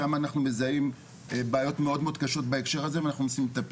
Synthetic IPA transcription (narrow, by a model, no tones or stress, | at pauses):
amaːnaχnumezaim | baːjo̞tmeo̞d̪meod̪kaʃo̞t̪̚baekʃe̞ʁazeveanaχnunosimlet̪ap